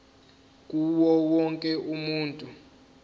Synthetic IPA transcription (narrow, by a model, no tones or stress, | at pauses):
k̬ʼuwɔwɔŋkʼɛʔumuːntʼu